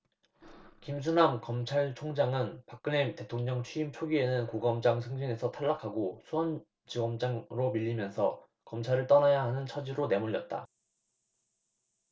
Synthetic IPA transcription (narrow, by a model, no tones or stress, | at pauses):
kims̬ʰunamkʌmt͡ɕʰaɭt͡ɕʰoŋd͡ʑaŋɯnpak͈̚ɯnemte̞tʰoŋɲʌŋt͡ɕʰɥiːmt͡ɕʰoɡie̞nɯnkoɡʌmd͡ʑaŋsʰɯŋd͡ʑʰiŋe̞sʰʌtʰaɭːakʰaɡosʰuʌn | t͡ɕiɡʌmd͡ʑaŋɾomiʎːimjʌnsʰʌ̰ | kʌmt͡ɕʰaɾɯɭt͈ʌnajaɦanɯnt͡ɕʰʌd͡ʑiɾone̞muʎːʌt̚t͈a̰